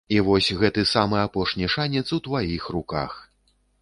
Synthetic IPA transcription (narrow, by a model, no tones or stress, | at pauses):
ivɔsʲɣɛt̪ɨsamɨapɔʂnʲiʂanʲɛt̪sut̪vajixruka̰x